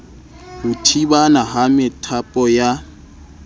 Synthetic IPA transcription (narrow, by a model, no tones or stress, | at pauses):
hʊtʰibanaɦamɪtʰapʼɔja